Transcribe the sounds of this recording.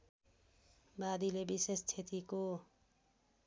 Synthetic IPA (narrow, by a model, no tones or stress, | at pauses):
bad̪ilebisest͡ʃʰet̪iko